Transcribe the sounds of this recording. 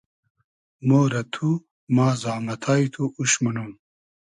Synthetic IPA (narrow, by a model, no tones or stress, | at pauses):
moːɾɐt̪ʰu | maːzaːmɐt̪ʰaːit̪ʰuuɕmɐnum